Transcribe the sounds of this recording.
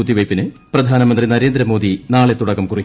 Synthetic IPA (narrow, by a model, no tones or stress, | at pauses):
ut̪ːiʋɐjpːinɨ | prɐd̪ʱaːnɐmɐnd̪rinɐɾe̞ːnd̪ɾɐmo̞ːd̪ʱinaːɭe̞t̪ːuɽɐkːɐmkuri